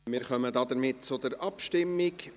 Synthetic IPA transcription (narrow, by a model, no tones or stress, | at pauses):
mɪːɾχœmədɑːd̪əɾmɪt̚t͡sʊd̥əɾʔɑpʃtɪmːɪk